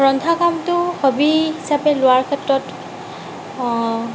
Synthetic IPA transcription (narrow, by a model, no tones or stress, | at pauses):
ɹɔndʱakamtʊhobiɦisapɛlʊaɹkʰɛtɹɔt